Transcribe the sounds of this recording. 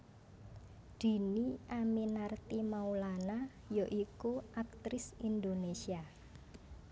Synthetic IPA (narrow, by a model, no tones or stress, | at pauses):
d̪̥i̤niʔaminart̪imaulana | joʔikuʔak̚t̪ɾɪsind̪onesia